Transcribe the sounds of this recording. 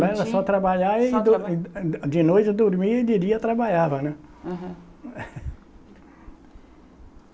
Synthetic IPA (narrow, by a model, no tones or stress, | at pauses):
ɛɾɐsɔt̪ɾabaʎaɪd̪ | d͡ʒɪnojt͡ʃɪd̪oɾmiɐɪd͡ʒɪɾiɐt̪ɾabaʎavɐnɛ